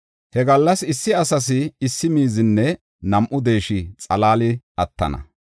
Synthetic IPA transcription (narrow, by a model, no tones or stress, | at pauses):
hɛɡɐlːɐsɪsːɪɐsɐs̬ɪːsːɪmiːzɪnːɛ | nɐmʔʊd̪e̞ːʃɪt͡sʼɐlaːlɪɐt̪ːɐ̰nɐ̰